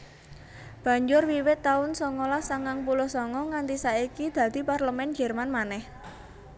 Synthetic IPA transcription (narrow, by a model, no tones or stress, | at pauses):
b̥ä̤ɲd͡ʒʊrwiwɪt̪ːaʊnsɔŋɔlasaŋaŋpulʊhsɔŋɔŋant̪isaikid̪̥ä̤d̪̥i̤parləmɛnd͡ʒɛ̤rmanmanɛh